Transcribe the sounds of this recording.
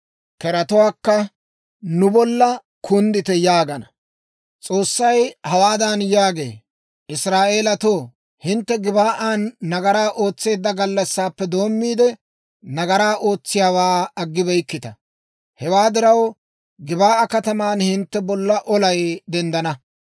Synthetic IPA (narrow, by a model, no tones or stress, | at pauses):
kɛɾɐt̪ʊwaːkːɐ | nʊbɔlːɐ | kʰʊnd̪ɪt̪ɛjaːɡɐnɐ | t͡sʼo̞ːsːɐjhɐwaːd̪ɐnjaːɡe̞̰ː | ʔɪsɾaːʔe̞ːlɐt̪oː | hɪnt̪ːɛɡɪbaːʔaːnːɐɡɐɾaːʔo̞ːt͡sːe̞ːd̪ːɐɡɐlːɐsːaːpːɛd̪o̞ːmːiːd̪ɛ | nɐɡɐɾaːʔo̞ːt͡sːɪjaːwaːɐɡːɪbɛjkːɪt̪ɐ | hɛwaːd̪ɪɾɐw | ɡɪbaːʔɐkɐt̪ɐmaːnhɪnt̪ːɛbɔlːɐʔɔlɐjd̪ɛnd̪ɐnɐ